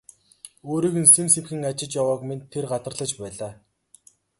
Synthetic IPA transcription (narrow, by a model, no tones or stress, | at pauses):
oːɾiːɣɘ̆nsemsewxɘ̆ŋat͡ɕɪ̆t͡ɕjawaːkment̪ʰːerɢat̪ə̆rɮə̆t͡ɕpæːɮaː